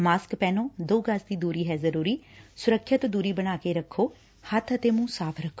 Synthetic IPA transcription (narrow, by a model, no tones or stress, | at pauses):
maːskpɛːnõːd̪oːɡəsd̪iːd̪uːɾiːɦɛːzəɾuːɾiːsʊɾəkʰːjat̪d̪uːɾiːbəɽ̃aːkeːɾəkʰːoː | hət̪ʰət̪eːmũːsaːpʰɾəkʰːoː